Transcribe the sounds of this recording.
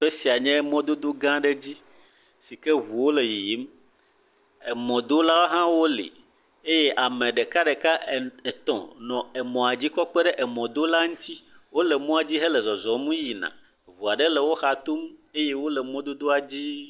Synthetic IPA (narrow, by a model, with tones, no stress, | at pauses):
fe˦si˨a˨ɲɛ̃˦mɔ̃˦d̪o˦d̪o˦ɡã˦ɖe˦d͡ʑi˦ | si˨kɛ˦vu˨wo˦le˨ji˨ji˨˦m | e˨mɔ̃˨d̪o˦la˦o˦ɦã˦wo˦lḭ˨ | e˦je˦ʔa˨mẽ˨ɖe˨ka˦ɖe˨ka˦˨e˨t̪ɔ̰̃˨nɔ̃˨e˨mɔ̃˨a˨d͡ʑi˦kɔ˦k͡pɛ˦ɖɛ˦ʔɛ˨mɔ̃˨d̪o˦la˦ŋũ˦t̪ʰi˦wo˦lɛ˨mɔ̃˦a˨d͡ʑi˦ɦɛ˦lɛ˨zɔ˨zɔ˨mũ˦ji˨nã̰˨ | vu˨a˨ɖɛ˦lɛ˨wo˦xa˨t̪o˦me˦je˦wo˦lɛ˨mɔ̃˦d̪o˦d̪o˦a˨d͡ʑi˦